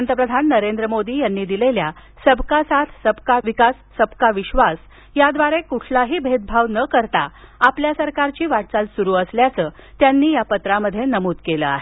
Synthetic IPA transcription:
ənt̪əpɾəd̪ʱanːəɾend̪ɾəmod̪iːjanːiːd̪ilelja | səbkasat̪ʰsəbkaʋikasːəbkaʋiɕʋas | jad̪ʋaɾekuʈʰlaɦiːbʱed̪̚bʱaʋnəkəɾt̪aapljasəɾkaɾt͡ɕiːʋaʈ̚t͡salsuɾuːəsljat͡səːt̪janːiːjapət̪ɾaməd̪ʱːjenəmuːt̪kelə̰a̰ɦe

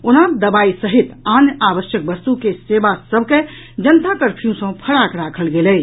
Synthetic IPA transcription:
onad̪əbaisəɦit̪anabəʃjək̚bəst̪ukesebasəbʱke | d͡ʒənt̪akəɾpʰijũsə̃pʰəɽakɾakʰəlɡelɛj

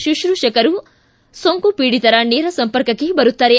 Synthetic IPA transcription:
ʃuʃɾuʃɐkɐɾu | soŋkupiːɽit̪ɐɾɐneːɾɐsɐmpɐɾkɐkːebɐɾut̪ːɐɾe

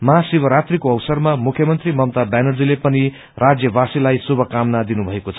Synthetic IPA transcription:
mʌɦasibʱʌɾat̪rikoʌwsʌrmamukʰjʌmʌnt̪rimʌmt̪abanʌrd͡zilepʌni | rʔad͡zjʌbasilajsubʱʌkamnad̪inubʱʌekot͡sʰʌ

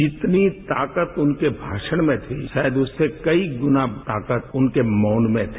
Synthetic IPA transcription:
d͡ʒɪt̪nit̪aːkət̪ʊnkebʱaːʃəɽ̃mẽt̪ʰḭʃaːjəd̪ʊsːekɐiɡʊnat̪aːkət̪ʊnkemɔːnmẽt̪ʰː

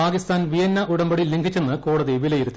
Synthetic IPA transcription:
aːkist̪aːnʋijɐnːɐʔuɽɐmbɐɽilːiŋɡʰʱit͡ɕːunːɨko̞ːɽɐðiʋilɐjiɾut̪ːi

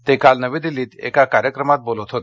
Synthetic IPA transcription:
t̪ekalnəʋed̪iliːt̪ḛkakaɾjəkɾəmat̪̚bolət̪ʰɦot̪

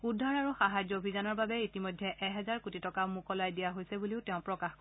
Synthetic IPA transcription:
udʱːaɹaɹuxaɦazɔobʱizɔnɔɹbabɛitimojdʱːɛʔɛɦɛzaɹkutitɔkamukɔlajdijaɦojsɛbuliʊtɛʊ̃pɹɔkaxk

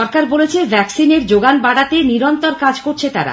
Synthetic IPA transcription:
ɔɾkaɾbolet͡ɕʰebʱɛksineɾd͡ʑoɡanbaɽat̪eniɾɔnt̪oɾkad͡ʑkoɾt͡ɕʰet̪a̰ɾa̰

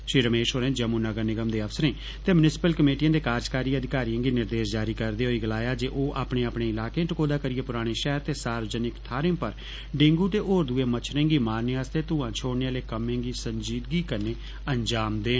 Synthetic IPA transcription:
ʃɾiːɾəmeːʃoːɾɛ̃ːd͡ʒəmũːnəɡəɾnɪɡəmd̪eːəfʰsəɾẽː | t̪eːmʊnɪsɪ̥pəlkəmeːʈijãːd̪eːkaːd͡ʒkaːɾiːəd̪ʱɪkaːɾijãːɡiːnɪɾd̪eːsd͡ʒaːɾiːkəɾd̪eːɦoːiːɡəlaːjaːd͡ʒeːʔoːʔa̰ːpɳẽːaːpɳẽːɪlaːkẽːʈəkoːd̪aːkəɾɪeːpʊɾaːɽ̃eːʃɛɦəɾt̪eːsaːɾʋəd͡ʒənɪkt̪ʰaːɾɪ̃pəɾ | ɖẽŋɡuːt̪eːʔoːɾd̪uːeːmət͡ʃʰɾẽːɡiːmaːɾneaːst̪eːt̪ʊ̃ːãːt͡ʃʰoːɽnealeːkəmẽːɡiːsəɲd͡ʒiːd̪ɡiːkəɾneː | ənd͡ʒaːmd̪eː

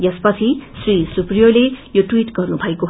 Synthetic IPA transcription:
jʌspʌt͡sʰisrisuprijolejoʈwiʈɡʌrnubʱʌekoɦ

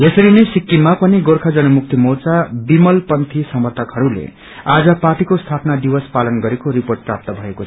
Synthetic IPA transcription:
jesʌɾinʌjsikːimapʌniɡorkʰad͡zʌnʌmuk̚t̪imot͡sabimʌlpʌnt̪ʰisʌmʌrt̪ʰʌkɦʌɾulḛ | ad͡zʌpaʈikost̪ʰapnad̪iwʌspalʌnɡʌɾekoɾiporʈ̚prap̚t̪ʌbʱʌeko

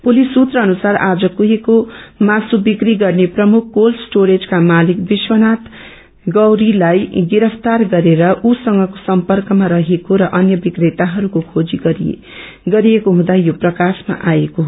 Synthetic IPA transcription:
pulisːut̪rʌːnusaɾad͡zʌkuɦekomasubikriɡʌrneprʌmukʰkolsʈoɾed͡zkamalik̚biswʌnat̪ | ɡʌwɾilajɡiɾʌpʰt̪arɡʌɾeɾʌʔusʌŋɡʌko̥sʌmpʌrkʌmaɾʌɦekoɾʌʔʌnjʌbikret̪aɦʌɾukokʰod͡ziɡʌ | ɡʌɾijekoɦũd̪ajoprʌkasma̰ʔajekoɦ

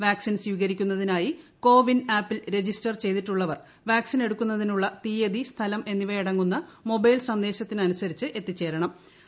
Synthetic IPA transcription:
ʋaːksinsiːɣɐɾikʲːunːɐðinaːjiko̞ːʋinaːpːilɾe̞d͡ʑisʈɐrt͡ɕe̞jd̪iʈːuɭːɐʋɐr | ʋaːksine̞ɽukʲːun̪ːɐðinuɭːɐt̪iːjed̪ist̪ʰɐlɐme̞nːiʋɐjiɽɐŋːunːɐmo̞bɐjlsɐnd̪e̞ːɕɐt̪ːinɐnusɐɾit͡ɕːɨʔe̞t̪ːit͡ɕːe̞ːɾɐɳɐm

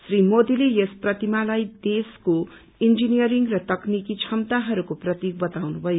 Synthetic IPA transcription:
srimod̪ilejesprʌt̪imalajd̪esko | ind͡zinijʌɾiŋrʌt̪ʌknikit͡sʰʌmt̪aɦʌɾukoprʌt̪ik̚bʌt̪awnubʱʌjo

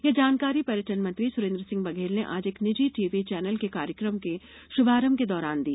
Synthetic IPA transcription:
jed͡ʒaːnkaːɾipɐɾjəʈənmɐ̃nt̪ɾisʊɾẽːnd̪ɾəsɪ̃ŋɡbɐɡʱeːlneʔaːd͡ʒeːknɪd͡ʒiʈiːʋit͡ʃɛːnəlkekaːɾjəkɾəmke | ʃʊbʱaːɾəmked̪ɔːɾaːnd̪iː

